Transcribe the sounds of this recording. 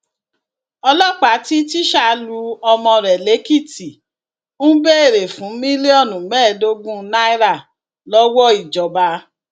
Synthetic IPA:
ɔ˧lɔ˦k͡pa˨˦ti˦ti˦ʃa˧lu˧ɔ˧mɔ̃˧ɾɛ˨le˨˦ki˦˨ti˨ | ñ̩˦be˦e˦˨ɾe˨fũ˨˦mĩ˦le˦ɔ˦˨nũ˨˦bɛː˦˨do˦ɡũ˦na˦i˦ɾa˦˨ | lɔ˦wɔ˦i˨d͡ʒɔ˨ba˧

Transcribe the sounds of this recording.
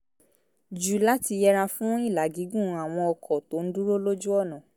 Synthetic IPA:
d͡ʒu˨la˦ti˧jɛ˧ɾa˧fũ˦w̃ɔ̃˦i˦˨la˨˦ɡi˨˦ɡũ˦˨˧a˨w̃ɔ̃˧ɔ˧kʰɔ˨to˨˦n̩˦du˦ɾo˦lo˦d͡ʒu˦ɔ˦˨nã˨

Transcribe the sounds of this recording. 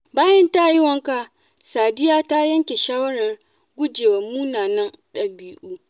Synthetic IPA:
baː˦jɐ˦nta˦jɪ˦wɐ˦ŋka˨ | saː˨dɪ˦jaː˦ta˦jɐ˦ŋkʲe˨ʃaː˦wɐ˦ɽɐ˨r | ɡʷʊ˦d͡ʒeː˨wɐ˨muː˦naː˨nɐ˦nɗɐ˨biː˦ʔuː˦

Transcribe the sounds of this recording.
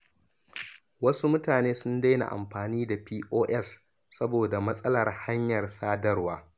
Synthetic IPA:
wɐ˦su˦mʊ˦taː˨neː˦sʊ˦nda˦jna̰˨ʔa̰˨mɸaː˨niː˦da˨piː˦ʔoː˦ʔɛ˦s | sɐ˦boː˨da˨mɐ˦sʼɐ˦lɐ˨rha˦ɲjɐ˨rsaː˦dɐ˦rwaː˦

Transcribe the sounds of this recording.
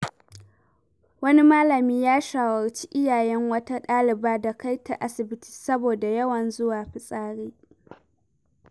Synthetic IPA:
wɐ˦ni˦maː˦lɐ˨miː˦jaː˦ʃaː˨wɐ˨rt͡ʃi̥˦ʔɪ˦jaː˨jɛ˦ŋwɐ˦ta˦ɗaː˦lɪ˨baː˦da˨ka˦jta̰˨ʔa˦sɪ˨bɪ˦tʰi̥ː˨sɐ˦boː˨da˨jɐ˦wɐ˨nzʊ˦waː˨ɸɪ˨sʼaː˦ɽeː˦

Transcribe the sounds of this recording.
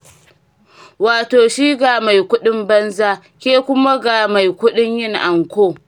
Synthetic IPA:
waː˨toː˨ʃiː˦ɡa˨ma˨jkʷʊ˦ɗɪ˦mbɐ˦nzaː˦ | kʲeː˦kʷʊ˦ma˦ɡa˨ma˨jkʷʊ˦ɗɪ˦ɲjɪ˦ŋʔa˨ŋkʷoː˦˨

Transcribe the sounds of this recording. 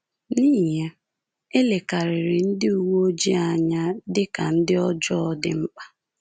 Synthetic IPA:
niː˦ɦe˦ | e˦le˨ka˨ɾɪ˨ɾɪ˨n̩˦dɪ˦u˨wo˦o˦d͡ʒi˦a˨ɲa˦dɪ˦ka˨n̩˦dɪ˦ɔ˦d͡ʒɔ˦ɔ˦dɪ˨ŋ͡m̩˦k͡pa˦

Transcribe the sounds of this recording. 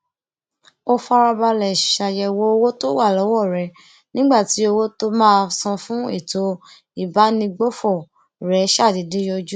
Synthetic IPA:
o˦fa˧ɾa˧ba˧lɛ˨ʃa˧jɛ˧wo˦o˧wo˦to˦wa˦˨lɔ˨˦wɔ˦˨ɾɛ˨˦ | nĩ˦ɡ͡ba˦˨ti˨˦o˧wo˦to˦mãː˦˧sã˧fũ˦e˦˨to˨˦ | i˦˨ba˨˦nĩ˧ɡ͡bo˦fɔ˦˨ | ɾɛ˨˦ʃa˦˨di˨˦di˦jɔ˧d͡ʒu˦

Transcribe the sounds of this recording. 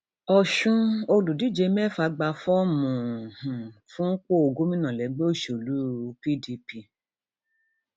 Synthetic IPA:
ɔ˨ʃũ˧o˧lu˨di˨˦d͡ʒe˧mɛ˦˨fa˧ɡ͡ba˧fɔ˦mũ˨hũ˨fũ˦k͡po˦o˧ɡo˦mĩ˦nã˨lɛ˨˦ɡ͡be˦o˦˨ʃo˨lu˨˦pi˦di˧pi˧

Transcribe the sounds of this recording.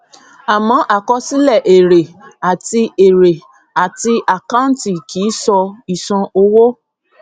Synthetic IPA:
a˨mɔ̃˨˦ʔa˦˨kɔ˧si˦lɛ˦˨ʔe˨ɾe˨a˨ti˧e˨ɾe˨ | a˨ti˧ʔa˨ka˦n̩˦ti˦˨kʰi˨˦sɔ˧i˨sɔ̃˧o˧wo˦

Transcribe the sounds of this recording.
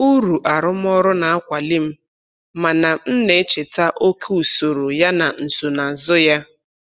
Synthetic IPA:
u˦ɾu˨ʔa˨ɾʊ˦m˦ɔ˦ɾʊ˦na˨a˦kʷa˨li˦m̩˦ | ma˨na˨n̩˦ne˨e˦t͡ʃe˨ta˦ʔo˦ke˦u˨so˨ɾo˨ja˦na˨n̩˨so˨na˨zʊ˦ja˦

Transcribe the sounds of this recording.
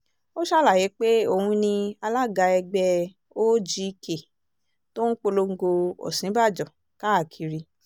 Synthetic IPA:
o˦ʃa˦la˦˨je˨˦k͡pe˦o˦˨hũ˧nĩ˧a˧la˦˨ɡa˧ɛ˧ɡ͡bɛ˧ | o˦d͡ʒi˧ke˨ | to˦n̩˦k͡po˧lo˧ŋ̩˧ɡo˧ɔ̰˨sĩ˨˦ba˦˨d͡ʒɔ˨ | ka˨˦a˦˨kʰi˧ɾi˧

